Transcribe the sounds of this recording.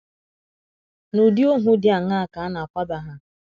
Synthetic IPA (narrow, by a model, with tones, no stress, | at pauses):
nu˨di˦o˦ɦʊ˦dja˨ŋa˦˨ka˨a˦na˨kʷa˦ba˦ɦa˦